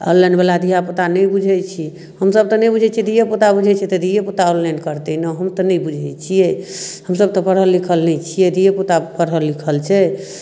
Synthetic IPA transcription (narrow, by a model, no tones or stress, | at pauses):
ə̰lːɛnbelad̪iɦapot̪anɛjbud͡ʒʱɛt͡ʃʰi | həmsəb̚t̪ɔnɛjbud͡ʒʱɛt͡ʃʰɛd̪ijepot̪abud͡ʒʱɛt͡ʃʰɛt̪əd̪ijepot̪aolːɛnkəɾt̪ɛnəɦəmt̪ɔnɛjbud͡ʒʱɛjt͡ʃʰijɛhəmsəb̚t̪ɔpəɽɦəlːikʰəlnɛt͡ʃʰijɛd̪ijepot̪apəɽɦəlːikʰəlt͡ʃʰɛ